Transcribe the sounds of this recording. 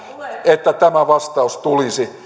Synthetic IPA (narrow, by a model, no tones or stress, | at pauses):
et̪ːæt̪æmæʋɑst̪ɑust̪ulisi